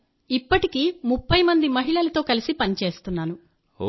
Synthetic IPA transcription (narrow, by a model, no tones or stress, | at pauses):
ipːɐʈikiːmupːɐjmɐnd̪imɐɦiɭɐlɐt̪o̞ːkɐlisipɐnit͡ʃe̞ːst̪unːaːnu